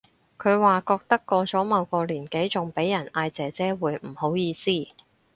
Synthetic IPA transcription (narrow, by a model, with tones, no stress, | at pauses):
kʰɵ˨˧ɥwaː˨kɔː˧k̚t̪ɐ˥kːɔː˧t͡sɔː˨˥mɐ˨˧wkɔː˧liː˨˩nke˨˥jt͡sʊ˨ŋpe˨˥jjɐ˨˩nʔaː˧jt͡sɛː˨˧t͡sɛː˥wuː˨˧jm̩˨˩ho˨˥wjiː˧siː˥